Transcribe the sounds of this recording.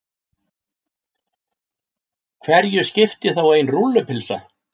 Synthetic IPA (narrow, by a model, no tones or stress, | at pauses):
kʰvɛɾjʏscɪft̪ɪθaweːjnrulːʏpʰɪlsa̰